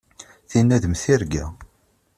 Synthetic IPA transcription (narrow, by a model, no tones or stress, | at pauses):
θinːæðəmθiɾɡæ̰